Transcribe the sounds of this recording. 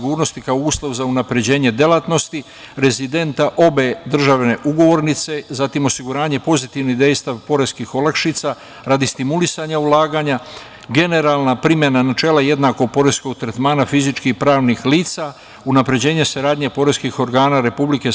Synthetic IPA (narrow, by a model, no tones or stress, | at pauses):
ɡuːɾno̞st̪ikaouːslˠo̞ʋzaunapɾe̞d͡ʑe̞ːɲe̞d̪e̞lat̪no̞st̪i | ɾe̞zid̪e̞nt̪aʔo̞be̞d̪r̩ʒaʋne̞ʔuɡo̞ʋo̞ɾnit̪se̞zat̪imo̞siɡuɾaːɲe̞po̞zit̪iʋnid̪e̞jst̪aʋpo̞ɾe̞skixo̞lˠakʃiːt̪sa | ɾad̪ist̪imulisaɲaulaːɡaɲa | ɡe̞ne̞ɾalˠnapɾimjenanat͡ʃe̞ːlaje̞d̪nako̞ɡ̚po̞ɾe̞sko̞ɡ̚t̪ɾet̪maːnafizit͡ʃkixpɾaːʋnixliːt̪sa | unapɾe̞d͡ʑe̞ːɲe̞saɾaːd̪ɲe̞po̞ɾeskixo̞ɾɡaːnaɾe̞publike̞